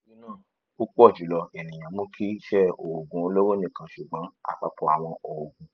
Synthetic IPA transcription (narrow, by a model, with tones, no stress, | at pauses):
nĩ˦nãː˦˨ | o˦k͡pu˦ɔ˦˨d͡ʒu˨˦lɔ˧e˨nĩ˨j̃ã˨mũ˦kʰi˦ʃɛ˦o˨ɡũ˨˦˧lo˦wo˦nĩ˦˨kã˨ʃu˨ɡ͡bã˨˦a̰˨fa˨˦k͡pɔ˧a˨w̃ɔ̃˧ɔ˨o˨ɡũ˨